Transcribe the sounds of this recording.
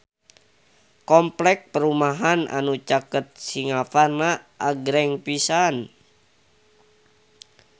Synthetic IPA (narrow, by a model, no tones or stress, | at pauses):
kɔmplɛk̚pəɾumaɦana̰nut͡ʃakət̪̚siŋafarnaʔaɡɾɛŋpisan